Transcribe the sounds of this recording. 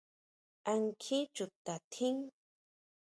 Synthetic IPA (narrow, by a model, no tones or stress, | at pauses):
aŋkʰit͡ʃʊt̪at̪ʰɪŋ